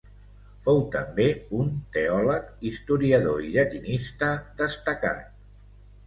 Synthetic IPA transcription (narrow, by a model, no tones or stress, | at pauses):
fowt̪əmbeunt̪eɔləkist̪uɾiəðoiʎət̪inist̪əd̪əst̪əka̰t̪̚